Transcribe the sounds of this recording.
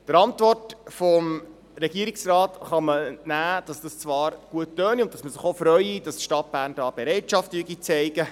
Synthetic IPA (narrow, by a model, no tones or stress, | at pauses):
d̥əɾɑntvɔrtfɔm | ɾɛɡiːəɾiksrɑːtχɑmənæːd̥ɑsd̥ɑst͡sʋɑːɾɡ̥uətːœːniʊnt̚tɑsməsɪχofɾœʏid̥ɑstʃtɑt̚b̥æːɾndɑːb̥eɾɛɪtʃɑftyəɡit͡sɛɪɡə